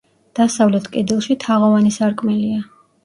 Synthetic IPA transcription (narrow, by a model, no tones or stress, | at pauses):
d̪̥asavlɛt̪ʰkʼɛd̪ilˠʃit̪ʰaʁɔvanisaɾkʼmɛlia